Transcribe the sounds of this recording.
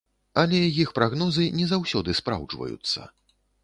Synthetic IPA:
ɐlʲɛjixpɾaɣnɔzɨnʲɛzawsʲɔd̪ɨspɾa̰wd͡ʐvɐ̰jṵt̪sːɐ̰

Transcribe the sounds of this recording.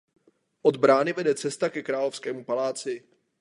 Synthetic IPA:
ʔo̞d̪bɾaːnɪvɛdɛt͡sɛst̪akɛkɾaːlo̞fskɛːmupalaːt͡sɪ

